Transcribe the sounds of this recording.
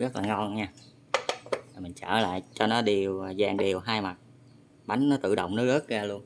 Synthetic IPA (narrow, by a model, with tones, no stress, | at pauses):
ɣə˦˥t̚laː˨˩ŋɔ˧nɲaː˧ | aː˨˩mï̟˨˩t͡ɕəː˧˩la̰ː˧˨jt͡ɕɔ˧nɔ˨˦ɗi˨˩əwzaː˨˩ŋɗi˨˩əwɦaː˧jma˨˩t̚ | ɓa˨˦jŋ̟nɔ˨˦t̪ɨ̰˧˨ɗə̰˧˨wŋ͡mnɔ˨˦ɣə˦˥k̚ɣaː˧lu˧ən